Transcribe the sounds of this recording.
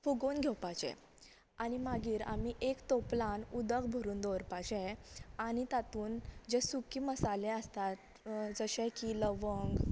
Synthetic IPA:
fuɡonɡʱɛwpat͡ɕɛ̰̃ | animaɡiːɾa̰miʔekt̪oplanud̪əkbʱəɾuːnd̪oɾpat͡ɕɛ̃añit̪at̪uːnd͡ʑesukiːməsaleəst̪at̪ | d͡zəɕɛ̃kiləʋəŋɡ

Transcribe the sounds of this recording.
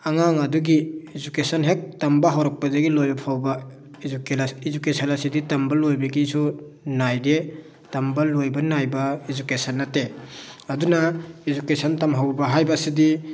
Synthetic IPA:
aŋaŋɐduɡiːzukesɐnɦek̚tɐmbɐɦawɾak̚pazaɡilojbɐpʰawba | ukizukesanasiditɐmbalojbeɡisu | najde | tɐmbalojbɐnajbɐizukesɐnːɐteɐdunaizukesɐntamɦawbɐɦajbasidi

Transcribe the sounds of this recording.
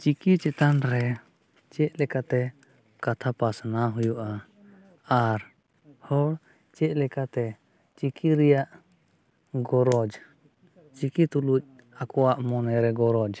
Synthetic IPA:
t͡ʃikit͡ʃɛt̪anɾɛ | t͡ʃɛʔ̪̚lɛkat̪ɛ | kat̪ʰapasnaɦujuʔa | aɾ | hɔɽ | t͡ʃɛc̪̚lɛkat̪ɛ | t͡ʃikʰiɾɛjaʔ | ɡɔɾɔd͡ʒ | t͡ʃikit̪uluc̚ | akɔwaʔmɔnɛɾɛɡɔɾɔd͡ʒ

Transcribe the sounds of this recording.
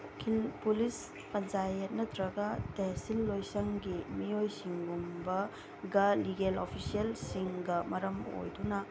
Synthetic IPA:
ukʰilpulis | pɐnt͡ʃajet̚nɐt̪ɾɐɡɐtesilːojsɐŋɡimijojsiŋɡumbɐ | ɡɐliɡelopʰisielsiŋɡɐmɐɾɐmo̰jdunɐ

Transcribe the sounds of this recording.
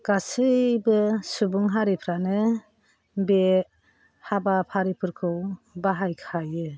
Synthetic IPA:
ɡ̥asɯbɯsubuŋɦaɾipʰɾanɯ | be | habapʰaɾipʰɯɾkʰɯwbaɦajkʰajɯ

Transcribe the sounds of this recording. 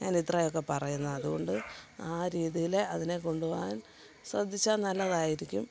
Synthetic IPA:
ɲaːnid̪rɐjo̞kːe̞pɐrɐjunːɐɐðuɣo̞ɳɖɨaːɾiːðijileɐðine̞ko̞ɳɖuʋʋaːn | srɐd̪ʱːit͡ɕːaːnnɐlːɐðaːjiɾikʲːum

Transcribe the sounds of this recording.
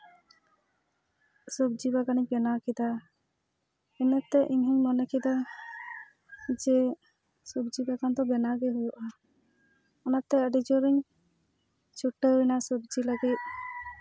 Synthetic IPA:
subd͡ʒibaɡaniɲbɛnakid̪a | ɛnɛt̪ɛʔiɲɦɛɲmɔnɛkʰid̪a | d͡ʒɛ | subd͡ʒibaɡand̪ɔbɛnaɡɛɦujɔʔa | ɔnat̪ɛəɖid͡ʒɔɾiɲ | t͡ʃʰuʈːəinasub̚d͡ʒiləɡit̪̚

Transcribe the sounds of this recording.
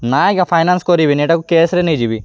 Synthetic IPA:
naːjɡɐpʰɐjnanskoɾiʋiniːʈɐkukeːsɾenid͡ʒiʋi

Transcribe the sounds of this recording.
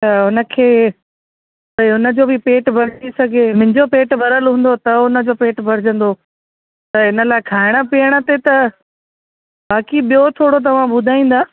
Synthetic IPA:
t̪ɐʊnə̆kʰeː | pɐiɦʊnə̆d͡ʑoːbɪpeːʈbʱɐɾɪd͡ʑisɐɡʱemɪ̃ɦɪ̃ɲd͡ʑopeːʈbʱɐɾəlɦũːn̆d̪ot̪ɐʊnə̆d͡ʑoːpeːʈbʱɐɾɪd͡ʑə̃n̆d̪o | t̪ɐɪnə̆laːɪkʰaːɪɽ̃ə̆piəɽ̃ə̆t̪et̪ɐ | baːkiɓijot̪ʰoːɽot̪̬ɐʋ̤ãɓʊd̪ʱaːĩːn̆d̪aː

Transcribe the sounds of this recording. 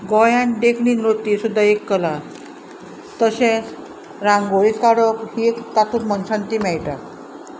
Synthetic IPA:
ɡɔjãnɖekʰɳiːnɾot̪isud̪ʱːaekːəla | t̪əɕẽt͡s | ɾãŋɡoɭikaɽəkhiekt̪at̪ut̪mənsãnt̪imɛjʈak̪

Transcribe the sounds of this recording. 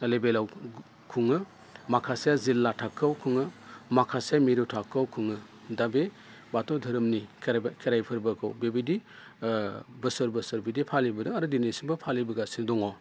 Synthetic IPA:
lebelaw | kʰuŋɯ | makʰasijazilːatʰakʰːawkʰuŋɯmakʰasamiɾutʰakʰːawkʰuŋɯ | dabe | batɔwdʱɯɾɯmnikʰkʰeɾajpʰɯɾbɐkʰɯwbebidi | bɯsɯɾbɯsɯɾbidipʰalibɯdɯŋaɾudinesibɯpʰalibɐɡasindɔŋɔ

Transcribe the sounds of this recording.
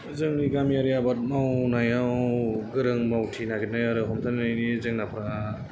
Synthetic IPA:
zɯŋniɡamijaɾijabat̚mawnajawɡɯɾɯŋmawtʰinaɡit̚najaɾɯɦɔmtʰannajnizɯŋnapʰɾa

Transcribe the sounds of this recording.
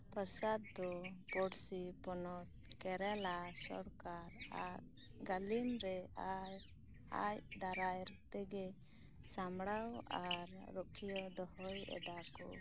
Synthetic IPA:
pəɾsad̪̚ːɔpɔɽsipɔnɔt̪̚kɛɾɛlasɔ̰ɽkaɾa | ɡalimɾɛa | a̰jd̪aɾajɾt̪ɛɡɛ | samɽawaɾːɔkʰijɔd̪ɔhɔjɛ̰d̪akɔ̰

